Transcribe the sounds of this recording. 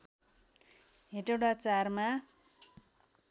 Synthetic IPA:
ɦeʈewɽat͡sarma

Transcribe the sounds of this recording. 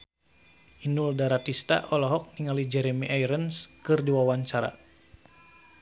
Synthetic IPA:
ʔinuldaɾat̪ist̪a̰ʔɔlɔɦɔk̚niŋalid͡ʒɛɾɛmiʔajɾənskɨrdiwawaɲt͡ʃaɾa̰

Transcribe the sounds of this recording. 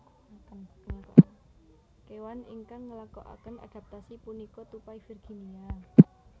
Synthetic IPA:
lak | kewaniŋkaŋːəlakoʔa̰kəna̰d̥a̤p̚t̪asipunikɔt̪upaifirɡ̥inia

